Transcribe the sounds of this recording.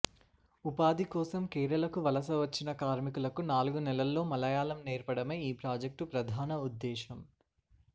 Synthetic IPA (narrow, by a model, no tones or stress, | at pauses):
upaːd̪ikɔːsɐmkeːɾɐlɐkuʋɐlɐs̬ɐʋɐt͡ʃːinɐkaːɾmikulɐkunaːluɡunɛlɐlːo̞ːmɐlɐjaːlɐmneːɾpɐɽɐmeːiːpɾaːd͡ʒɐk̚ʈupɾɐd̪ʱaːnɐud̪ːɛːʃɐm